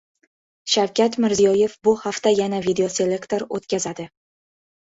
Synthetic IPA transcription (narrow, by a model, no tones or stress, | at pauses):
ʃawkʲʰat̪mɪɾzijɒje̞fbʊhaft̪ajanavid̪eose̞lʲe̞kt̪o̞ɾot̪kʲazad̪ɪ